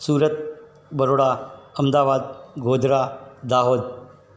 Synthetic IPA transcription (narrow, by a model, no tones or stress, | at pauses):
suːɾət̪̚ | bəɾoːɽaːɐmd̪aːʋaːd̪̚ɡoːd̪ɾaːd̪aːɦoːd̪̚